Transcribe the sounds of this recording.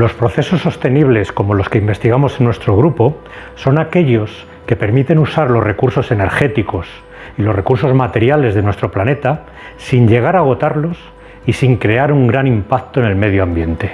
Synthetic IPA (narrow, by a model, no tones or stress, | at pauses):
lo̞spɾo̞θe̞so̞sːo̞st̪e̞niβ̞le̞sko̞mo̞lo̞ske̞imbe̞st̪iɣamo̞se̞nwest̪ɾo̞ɣ̞ɾupo̞ | so̞nake̞ʎo̞s | ke̞pe̞ɾmit̪e̞nusaɾlo̞zre̞kuɾso̞se̞ne̞ɾxe̞t̪iko̞s | ilo̞sre̞kuɾso̞zmat̪e̞ɾjale̞zðenwe̞st̪ɾo̞plane̞t̪a | siɲʎe̞ɣ̞aɾaːɣ̞o̞t̪aɾlo̞s | isiŋkɾe̞aɾuŋɡɾanimpak̚t̪oenelme̞ð̞joambje̞nt̪e̞